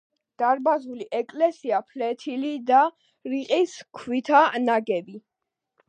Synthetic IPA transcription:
d̪̥aɾbazuliʔɛkʼlɛsiapʰlɛt̪ʰilid̪a | ɾiqʼiskʰwit̪ʰanaɡɛbi

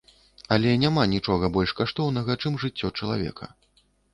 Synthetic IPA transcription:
ɐlʲɛnʲamanʲit͡ʂɔɣɐbɔlʲʂkaʂt̪ɔwnɐɣɐt͡ʂɨmʐɨt͡sʲːɔt͡ʂɐlˠavʲɛ̰kʰɐ̰

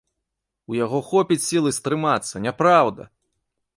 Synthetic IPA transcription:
ujaɣɔxɔpʲit͡sʲsʲilˠɨst̪ɾɨmat̪sːɐnʲapɾawd̪ɐ̰

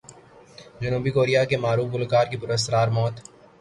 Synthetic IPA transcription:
d͡ʒʊnuːbikoːɾijakemaːɾuːfʊlkaːɾkipʊɾəs̬ɾaːɾmɔːt̪

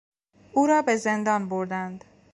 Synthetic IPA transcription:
uːɾɒːbe̞ze̞nd̪ɒːnboɾd̪ænd̪

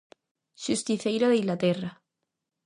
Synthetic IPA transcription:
ʃust̪iθejɾoðeiŋlat̪era

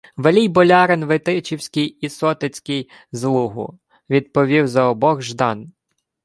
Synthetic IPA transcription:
ʋelʲijbɔlʲɑɾenʋɪt̪ɪt͡ʃiwsʲkɪjisɔt̪ɪt͡sʲkɪj | zlˠuɦʊ̰ | ʋʲid̪̚pɔʋʲiwzɐɔbɔɣʒd̪ɑn

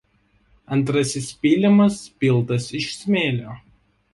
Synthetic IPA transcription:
ɐnt̪ɾɐsʲɪspʲiːlʲɪmɐspʲɪlˠt̪ɐsɪʃsʲmʲeːlʲoː

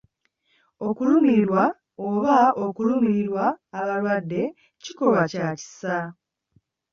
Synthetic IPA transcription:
o̞kulumiɾwa | oβaokulumiɾiɾwaːβalwadːe̞ | ciko̞βacaci̥sa

